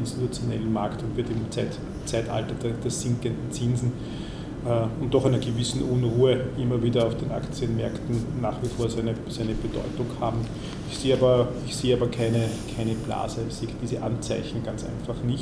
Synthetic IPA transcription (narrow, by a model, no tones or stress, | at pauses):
ɪnstitut͡sjonɛ̰lən̩maɐktʊntvɪɐtɪmt͡st | t͡sæɪta̰ltɐdɛd̥ɛɐz̥ɪŋkəndn̩t͡sɪnzn̩ | ɛʊnt̚d̥ːɔχɛɪnɐɡəvɪsn̩ʔʊnʁuːəʔɪmːɐviːdɐɑʊfd̥eːnʔa̰kt͡sjənmɛɐktn̩nːaːχv̥ifoːɐzæɪnəsæɪnəbəd̥ɔ̰ʏtʊŋhaːbm̩ | ɪçseːaːbɐɪçseːaːbɐkʰæɪnəkʰæɪnəb̥la̰ːzəsed̥iːzəʔant͡sæɪçn̩ɡ̥ant͡sæ̰ɪnfaχnɪç